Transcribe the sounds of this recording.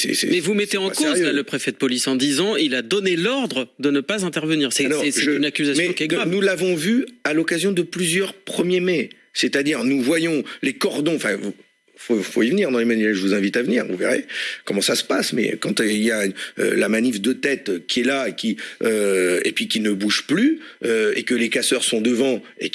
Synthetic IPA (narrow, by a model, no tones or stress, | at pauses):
sɛ̰sɛ̰mɛvumɛt̪eɑ̃kozjøaləpχefɛd̪əpɔlisɑ̃d̪izɑ̃ilad̪ɔnelɔʁd̪ʁəd̪ənəpazɛ̃t̪ɛʁvəniːʁsɛalɔʁɛʒɛənakʲyzasmɛ̃kɛnulavɔ̃vyalɔkazjɔ̃d̪əplyzjœʁpχəmjemɛ | set̪ad̪iʁnuvwajɔ̃lekɔʁd̪ɔ̃ɑ̃fɛ̃vu | fofoivəniʁd̪ɑ̃lemanɛʒəvuzɛ̃vit̪avəniːʁvṵvḛʁḛkɔmɑ̃sasə̥pasmɛ̰kɑ̃t̪iljaø̰lamanivd̪ət̪ɛt̪kʲiɛlaekʲiøḛpɥikʲinəbuʒplyøḛkəlekasœʁsɔ̃d̪əvɑ̃ḛ